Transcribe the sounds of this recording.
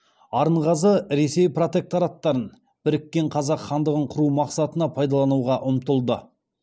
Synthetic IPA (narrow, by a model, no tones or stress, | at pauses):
ɑɾəɴʁɑzəɾe̞se̞jpro̞t̪e̞k̚t̪oɾɑt̪ːɑɾən | b̥ɪɾɪkʲːe̞ɴqʰɑzɑqχɑnd̪əʁəɴqʰʊɾumɑqsɑt̪ənɑpʰɑjd̪ɑlˠɑnuwʁɑʔʊmt̪əlˠd̪ə